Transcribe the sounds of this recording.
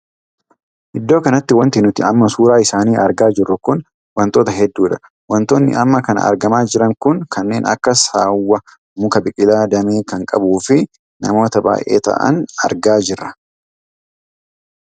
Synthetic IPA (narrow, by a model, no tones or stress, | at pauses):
ʔɪd̪ːo̞ːkɐnɐt̪ːɪwɐnt̪ɪnʊt̪ɪɐmːɐsuːɾaːɪsaːniːʔɐɾɡaːd͡ʒɪrːʊkʊn | wɐnt̪o̞ːt̪ɐɦɛd̪ːuːᶑɐ | wɐnt̪oːnːɪ̰ʔɐmːɐkɐnɐ̰ʔɐ̰ɾɡɐmaːd͡ʒɪɾɐŋkʊŋkɐnːe̞ːnɐ̰kːɐsaːwːɐ | mʊkɐbɪkʼɪlaːd̪ɐmeːkɐŋkʼɐbuːfɪ | nɐ̰mo̞ːt̪ɐba̰ːjʔe̞̰ːt̪ɐ̰ʔɐ̰nɐ̰ɾɡaːd͡ʒɪrːɐ